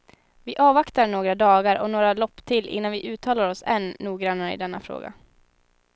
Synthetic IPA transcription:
vɪʔɑːvakt̪aɳoːɡɾad̪ɑːɡaɾɔ̰noːɾalɔpːt̪ʰɪlʔɪ̰nːanvɪʔʉ̟ːt̪ʰɑːlaɾɔsɛnːuːɡɾanːaɾəɪ̰d̪ɛnːa̰fɾo̰ːɡa̰

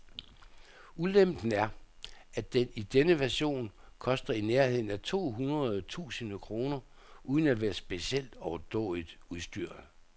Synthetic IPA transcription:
ulem̰d̥n̩æɐ | æd̥enid̥enəʋæɐɕo̝̰ːn | kʰɒ̽sd̥ɐineɐhe̝ð̰ˠn̩æt͡sʰo̝̰ːɦunʁɐð̞ˠt͡sʰṵːsənəkʰʁo̝ːnɐ | ʔuð̞ˠn̩ædʋæːɐsb̥e̝ɕiel̰d̥ɒʊɐd̥ɔ̰ːlid̥uðˠsd̥yɐ̰

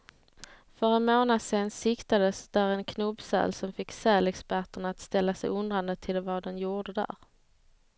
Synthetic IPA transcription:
fœɾɛnmoːnad̪seːnsɪkt̪ad̪əsd̪̥æɾɛnkʰnɵbsɛ̰ːlsɔmfɪkːsɛːlɛkspæʈəɳaːt̪st̪ɛlːasɛjʊnd̪ɾand̪ət̪ʰɪlvɑd̪ɛnjuːɖəd̪æ̰ɾ

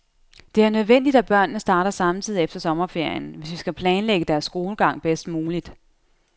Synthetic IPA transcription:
d̥e̝æɐnøð̞ˠʋen̰d̥id̥æb̥ɶɐ̰nːəsd̥ɑ̈ːɾɐsɑ̈mt͡sʰið̰ˠiefd̥ɐsɒ̽mɐfe̝ɐ̰jənʋe̝sʋisɡ̥æpʰlɛːnleɡ̥əd̥æɐsːɡ̥o̝ːləɡ̥ɑ̈ŋ̰b̥esd̥muːlid̥

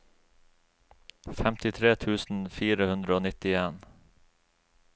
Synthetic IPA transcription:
fɛmt̪ɪt̪ʰɾeːt̪ʰʉːsn̩fiːɾəhʉnd̪ɾəoːnɪt̪ɪeːn

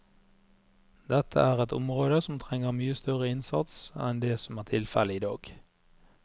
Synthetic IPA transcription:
d̪ɛt̪ʰə̰æːʁɛt̪ʊ̰mʁoːd̪əsɔmt̪ʰʁɛŋəʁmyːəst̪œʁəɪnsɑ̰t̪sɛ̰nd̪eːsɔmæːʁt̪ʰɪlfɛləɪːd̪ɑ̰ːɡ̥

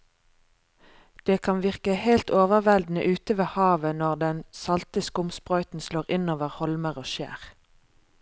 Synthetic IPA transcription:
d̪̥eːkʰɑnʋɪʁkəheɪlt̪oːʋəʁʋɛld̪n̩ə̰ʔʉːt̪əʋeːhɑːʋənɔʁd̪ɛnsɑlt̪əskʊmspʁœʏt̪n̩sloːʁɪnoːʋəʁhɔlməʁoːʃæ̰ːʁ

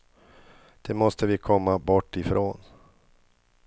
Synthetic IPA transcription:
d̪̥ɛmɔst̪əvɪkʰɔmːabɔʈːɪfɾʔoːn

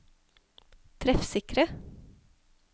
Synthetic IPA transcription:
t̪ʰɾɛfsɪkɾə

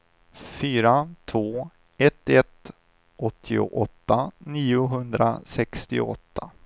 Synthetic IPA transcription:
fyːɾat̪ʰvoː | ɛt̪ɛt̪ | ʔɔt̪ʰːɪʊ̰ʔɔt̪ːaniːʊɦɵnd̪ɾa̰sɛkst̪ɪ̰ʊ̰ɔ̰t̪ʰːa

